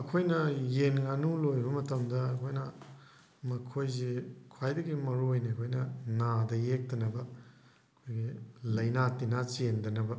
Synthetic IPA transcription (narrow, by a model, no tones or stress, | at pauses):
ɐkʰojnɐjenɡanulojbɐmɐtɐmdɐːkʰojnɐ | mɐkʰojzekʰwajdɐɡimɐɾuojniɐkʰojnɐnadɐjek̚tɐnɐbɐ | ɐkʰojɡilɐjnatinat͡ʃendɐnɐbɐ